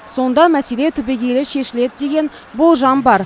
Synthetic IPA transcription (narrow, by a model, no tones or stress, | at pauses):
so̞nd̪ɑmæse̞le̞t̪ʰʏbeɡʲe̞lɪʃe̞ʃɪle̞d̪ɪd̪e̞ɡʲe̞n | bolˠʒɑmbɑɾ